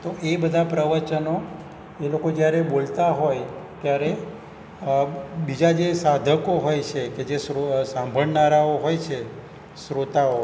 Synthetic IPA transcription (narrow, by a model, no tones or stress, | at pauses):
t̪oʔebəd̪ʱapɾəʋət͡ʃəno | elokod͡ʒjaɾebolt̪aɦojt̪jaɾe | bid͡ʒad͡ʒesad̪ʱəkoɦojt͡ʃʰeked͡ʒesosãmbʱəɽnaɾaoɦojt͡ʃʰe | sɾot̪ao